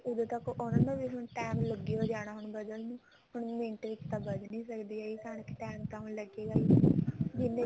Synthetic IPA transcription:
ʊd̪ẽt̪əkʔʊnãːnãːʋiːɦʊɳʈɛːmləɡiːoːd͡ʒaːɽ̃aːɦʊɳbəd̪əlnũː | hʊɳmẽːɳʈɾɪkt̪ãːbəd̪niːsəkd̪iːaːiːkaːɳkːʈɛːmt̪ãːɦʊɳləɡeːɡaːiːd͡ʒɪnːeː

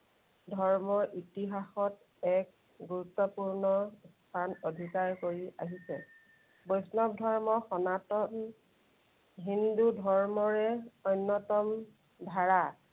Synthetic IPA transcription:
dʱɔɹmɔɹʔitiɦaxɔt̚ | ɛk̚ | ɡuɹutːɔpuɹnɔstʰanodʱikaɹkoɹiʔaɦisɛ | bojsnɔk̚dʱɔɹmɔxɔnatɔn | ɦindudʱɔɹmɔɹɛɔjnːɔtɔm | dʱaɹa

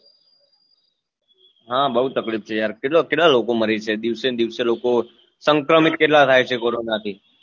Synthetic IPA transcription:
ɦãbəɦut̪əklift͡ʃʰejaɾkeʈlokeʈlalokoməɾet͡ʃʰed̪iʋsed̪iʋseloko | səŋkɾəmit̪̚keʈlat̪ʰajt͡ʃʰekoɾonat̪ʰi

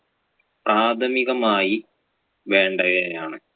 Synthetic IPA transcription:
praːd̪ʰʱɐmiɣɐmaːji | ʋe̞ːɳɖɐɣejaːɳɨ

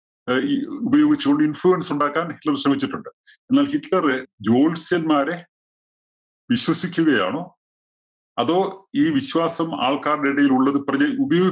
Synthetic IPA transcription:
ubɐjo̞ːɡit͡ɕːukoɳɖɨinfɭuɐnsuɳɖaːkːaːnhiʈlɐrɕrɐmit͡ɕːiʈːuɳɖɨ | e̞nːaːlhitlɐrɨd͡ʑo̞ːlsjɐnmaːɾe | ʋiɕwɐsikʲːuɣɐja̰ːɳoː | ɐðo̞ːiːʋiɕwaːsɐma̰ːɭkaːrɽeɽɐjiluɭːɐðɨprɐd͡ʑeubɐjo̞ːɡi

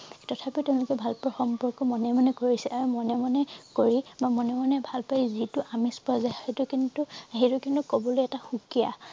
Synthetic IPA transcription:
tɔtʰapitɛʊ̃lʊkɛbʱalpɹɔxɔmpɔɹkɔmɔnɛmanɛkoɹisɛaɹumɔnɛmanɛkoɹibamɔnɛmanɛbʱalpaizituʔamispɔzaetukintuɦetʊkintukɔbɔlojɛtaxukija̰

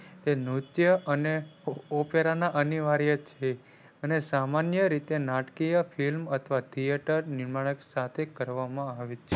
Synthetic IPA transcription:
t̪enut̪jəʔəneopeɾanaʔəniʋaɾjət͡ʃʰe | ənesamanjəɾit̪enaʈkijəfilmət̪ʰəʋat̪ʰieʈəɾnɪɾmaɭəksat̪ʰekəɾʋamãaʋet͡ʃʰe

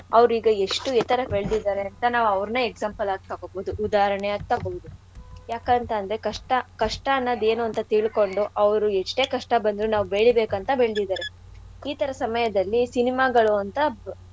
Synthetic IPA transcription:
ɐʋɾiːɡɐe̞ʂʈuet̪ɐɾɐbeɭd̪id̪aːɾeɐnt̪ɐnaːʋuɐʋɾnɐeɡsaːmpɐlaːɡ̚t̪aːɡobod̪uʔud̪aːɾɐɳeaːɡ̚t̪aːɡoʋud̪u | jaːkɐnt̪ɐːnd̪ɐɾekɐʂʈɐkɐʂʈɐːnːɐd̪e̞ːnuɐnt̪ɐt̪iɭko̞ɳɖuʔɐʋɐɾueʂʈe̞ːkɐʂʈɐbɐnd̪ɾunaːʋube̞ːɭibeːkɐnt̪ɐbeɭd̪id̪aːɾe̞ | iːt̪ɐɾɐsɐmɐjɐd̪ɐlːisinimaːɡɐɭuɐnt̪ɐ

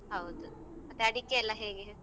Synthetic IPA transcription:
ɦɐwd̪u | ɐt̪ːeɐɽikːelːɐɦeːɡe

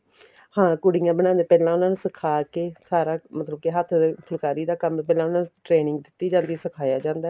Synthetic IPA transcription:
hãːkʊɽijãːbəñãːnd̪eːpɛːlãːʊnaːnũːsəkʰaːkeːsaːɾaːmət̪ləb̚keɦət̪ʰːpʰʊlkaːɾiːd̪aːkəmːpɛːlãːʊnãːnuʈɾeːnɪ̃ŋɡd̪ɪt̪ːiːd͡ʒãːnd̪iːsəkʰaːjaːd͡ʒãːnd̪aː

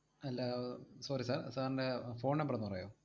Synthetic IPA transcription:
ɐlːasoːɾisaːrsaːɾɳɖefo̞ːɳɖempɐrɐnːupɐrɐːjoː

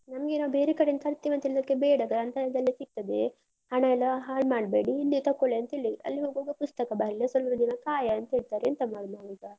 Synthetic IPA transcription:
nɐmɐɡenaːʋbeːɾekɐɽent̪ʰɐɾt̪ːiʋɐnt̪ɐiɭd̪ɐkːebeːɽɐɡɐnt̪ɐd̪ɐlːisik̚t̪ɐd̪e | hɐɳɐilːɐɦaːɭmaːɽbeːɽiilːit̪ɐkːoɭeɐnt̪ɐeɭiɐ̰lːiɦoːɡoːɡepust̪ɐkɐbaːɾilːɐsɐlɐd̪inɐkaːjɐːnt̪ɐeɭt̪aːɾeɐnt̪ɐmaːɽnaːɡuɡ̪a

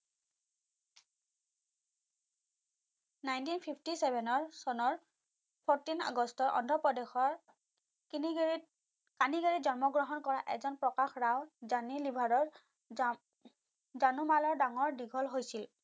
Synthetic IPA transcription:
najntinpʰipʰtisɛbʱɛnɔɹsɔnɔɹ | pʰɔɹtina̰ɡɔstɔɹʔɔ̰ndʱɔpɹɔdexɔɹ | kaniɡaɹitzɔnmɔɡɹɔɦɔnkɔɹaʔɛ̰zɔnpɹɔkaxɹawzanilibʱadɔɹ | zanumalɔɹdaŋɔɹdiɡʱɔlɦojsil

